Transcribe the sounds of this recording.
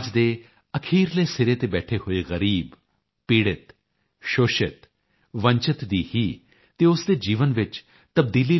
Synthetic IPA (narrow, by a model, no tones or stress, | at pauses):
d͡ʒd̪eː | əkʰiːɾleːsɪɾeːt̪eːbɛːʈʰeɦoːeːɣəɾiːb | piːɽɪt̪ | ʃoːʃɪt̪ | ʋə̃ɲt͡ʃɪt̪d̪iːhiː | t̪eːʊsd̪eːd͡ʒiːʋənʋɪt͡ʃ | t̪əb̚d̪iːli